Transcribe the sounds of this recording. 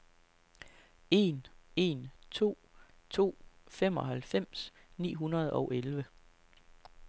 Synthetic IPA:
e̝ne̝nt͡sʰo̝̰ː | t͡sʰo̝̰ːfem̰ɒ̽ɦælfem̰s | nḭːɦunɐð̞ˠɒ̽ʊʔelʋə

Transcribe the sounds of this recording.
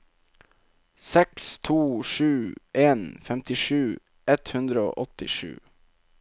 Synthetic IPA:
sɛkst̪ʰuːʂʉːʔeːnfɛmt̪ɪʂʉː | ʔɛt̪hʉnd̪ɾəo̰ːʔɔt̪ɪʂʉ̰ː

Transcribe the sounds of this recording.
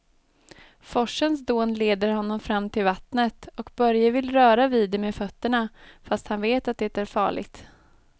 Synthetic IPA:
fɔʂːənsd̪oːnleːd̪əɾɦɔnːɔmfɾamːt̪ʰɪlvat̪nət̪ɔkbœɾjavɪlɾœːɾaviːd̪ɛmeːfœt̪ːəɳafast̪hanveːt̪at̪̚d̪ɛt̪æɾfɑ̰ːɭɪ̰ɡt̪

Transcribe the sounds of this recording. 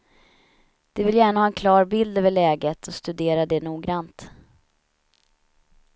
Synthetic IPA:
d̪̥ɛvɪljæːɳahɑːɛnkʰlɑːɾbɪld̪øːvəɭɛːɡət̪ʰɔst̪ɵd̪eːɾad̪ɛnuːɡɾant̪

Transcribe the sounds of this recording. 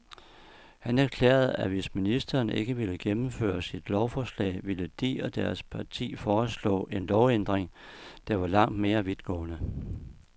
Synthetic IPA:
hænæɐkʰlḛːɐð̩ˠæʋe̝sminisd̥ɐːne̝ɡ̥əʋiləɡ̥emm̩fø̰ːɐsid̥lɒʊfɒːslɛ̰ːɪʋiləd̥ḭːɐd̥æɐspʰɑ̈t͡sʰḭːfɒːslɔ̰̽ːʔe̝nlɒʊend̥ʁeŋ | d̥ɑ̈ʋɑ̈lɑ̈ŋ̰d̥me̝ːɐʋið̥ˠɡ̥ɔ̰̽ːnə

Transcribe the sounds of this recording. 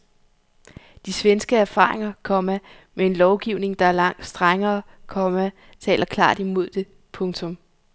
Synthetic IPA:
d̥isʋensɡ̥əæɐfɑ̰̈ːʁe̝ŋɐkʰɒ̽mæ | mee̝nlɒʊɡ̥iʊne̝ŋd̥ɑ̈æɐlɑ̈ŋ̰d̥sd̥ʁaŋɐːkʰɒ̽mæ | t͡sʰɛ̰ːlʔɐkʰlɑ̰̈ːd̥imo̝ð̞̰ˠd̥e̝ | pʰɔ̽ŋt͡sʰɔ̽m

